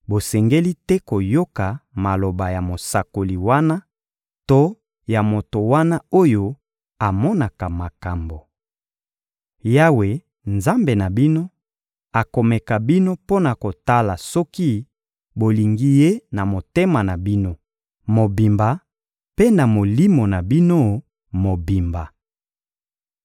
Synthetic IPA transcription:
bo˨sɛ˨ŋɡe˦li˦tɛ˦ko˨jo˦ka˨ma˨lo˨ba˨ja˨mo˨sa˨ko˨li˨wa˦na˦ | to˦ | ja˨mo˨to˨wa˦na˦o˦jo˦ | a˨mɔ˦na˨ka˨ma˨ka˨mbo˨ | ja˦we˨ | nza˦mbe˨na˨bi˦no˦ | a˨ko˨mɛ˨ka˨bi˦no˦po˦na˨ko˨ta˦la˨sɔ˦ki˦ | bo˨li˨ŋɡi˦je˦na˨mo˨te˦ma˨na˨bi˦no˦ | mo˨bi˨mba˨ | pe˦na˨mo˨li˦mo˨na˨bi˦no˦ | mo˨bi˨mba˨

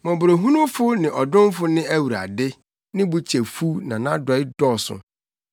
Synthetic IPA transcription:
mɔ̃˨bʊ˨ɾo˨ɦũ˦nʊ̃˦fʊ˦nɪ̃˨ʔɔ˨dʊ̃˦m˦fʊ˦nɪ̃˦æ˦wu˨ɾa̰˨dɪ˦ | nɪ̃˦bu˦t͡ɕʰe˨fu˦nã˨nã˦dɔ˨˦ɪ˦dɔ˦˨sʊ̰̃˨

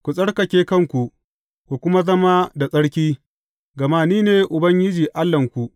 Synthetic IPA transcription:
kʷu˨sʼɐ˦ɽkɐ˨kʲeː˦kɐ˦ŋkʷu˨ʔ | kʷu˨kʷʊ˦ma˦zɐ˦ma˦da˨sʼɐ˦ɽkʲiː˦ | ɡɐ˨maː˦niː˦neː˨ʔʊ˨bɐ˦ŋɡʲɪ˦d͡ʒiː˨ʔa˦lːɐ˨ŋkʷu˨ʔ

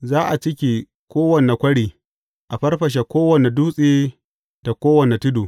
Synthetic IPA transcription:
zaː˦ʔa˨t͡ʃɪ˦kʲi˨ | kʷoː˦wɐ˨ne˨kʷɐ˦ɽiː˨ | ʔa˨ɸɐ˦rɸɐ˨ʃ̬e˨kʷoː˦wɐ˨ne˨duː˦sʼiː˦ | d̥a˨kʷoː˦wɐ˨ne˨tʊ˦duː˨

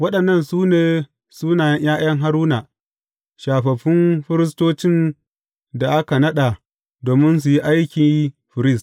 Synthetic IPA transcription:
wɐ˦ɗɐ˨nːɐ˦˨nsuː˦neː˨ | suː˦naː˨jɐ˦ɲjaː˦j̰ɐ˦ŋɦa˦ɾuː˦na˨ | ʃaː˨ɸɐ˨ɸɪ˦mɸɪ˦ɾɪ˦stoː˦t͡ʃɪ˦˨n | da˨ʔa˦ka˨nɐ˦ɗa˨ | doː˨mɪ˦ns̬u˨ji˦ʔa˦jkʲi˨ɸɪ˨ɾɪ˦˨st

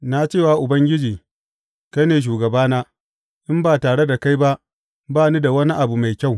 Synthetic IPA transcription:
na˦t͡ʃeː˦˨waː˨ʔʊ˨bɐ˦ŋɡʲɪ˦d͡ʒiː˨ | ka˦neː˨ʃ̬uː˨ɡɐ˨baː˦naː˦ | ʔɪ˦mbaː˨taː˨ɽe˦da˨ka˦jba˦ʔ | baː˦˨ni˦da˨wɐ˦ni˦ʔa˨bu˨ma˨jkʲa˦˨w

